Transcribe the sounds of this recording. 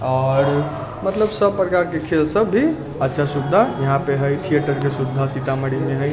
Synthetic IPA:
ɔːɾ | mət̪ləbsəbpɾəkaɾkekʰelsəbːʱi | ətːʃʰasubd̪ʱajəɦãpeɦəjt̪ʰijeʈəɾk̬esubd̪ʱasit̪aməɽimeɦəj

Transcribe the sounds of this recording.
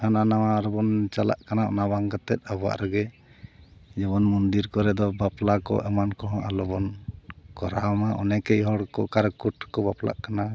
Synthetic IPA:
hananawaɾɔbɔnt͡ʃala̰ʔkanaɔ̰nabaŋkat̪ɛ̰t̪̚abɔa̰ʔɾɔɡɛ | d͡ʒɛβɔnmɔnd̪iɾkɔɾɛd̪ɔbaplakɔ̰ʔɛmankɔɦɔ̃ʔa̰lɔbɔnkɔɾamaʔɔ̰nɛkɛjɦɔɽkɔ̰kaɾkuʈkɔbapla̰ʔkana

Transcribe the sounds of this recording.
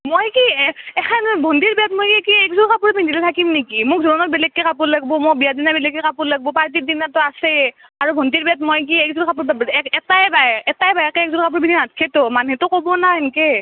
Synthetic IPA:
mojkiɛkʰanbʱɔndiɹbijatmojkikiɛkzuɹkapuɹbʱindʱilɛtʰakimnekimʊkzuɹɔnɔɹbɛlɛkːɛkapuɹlaɡ̚bɔmobijadinabɛlɛkːɛkapuɹlaɡ̚bɔpaɹt̬idinatɔasɛ | aɹubʱɔndiɹbiatmojkiɛk̚zuɹkapuɹbɛkɛtajbaɛtajbajɛkɛɛk̚zulkapuɹbiniatkʰɛtɔmanɦɛtʊkobɔnaenke

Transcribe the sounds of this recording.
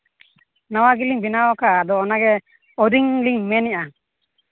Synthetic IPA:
nawaɡiliŋbinawɔkaːd̪ɔːnaɡɛ | ɔd̪iŋliŋmɛnɛʔa

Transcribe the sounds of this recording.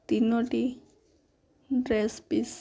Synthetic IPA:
t̪inoʈi | ɖɾespis

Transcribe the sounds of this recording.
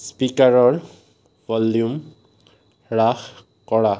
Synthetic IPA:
spikaɹɔɹ | vɔljum | ɹax | kɔɹa

